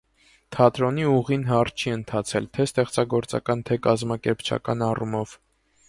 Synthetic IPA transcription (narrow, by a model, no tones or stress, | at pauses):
t̪ʰɑt̪ɾɔniuʁinɦɑɾt͡ʃʰiənt̪ʰɑt͡sʰɛlt̪ʰɛst̪ɛχt͡sɑɡɔɾt͡sɑ̰kɑnt̪ʰɛkɑzmɑkɛɾpt͡ʃʰɑ̰kɑnɑrumɔv̥